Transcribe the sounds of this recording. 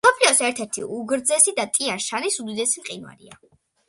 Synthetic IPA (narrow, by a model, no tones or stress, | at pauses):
ɔpʰliɔsɛɾt̪ʰɛɾt̪ʰḭuɡɾd̪zɛsid̪at̪ʼianʃanisud̪id̪ɛsimqʼinwa̰ɾḭa̰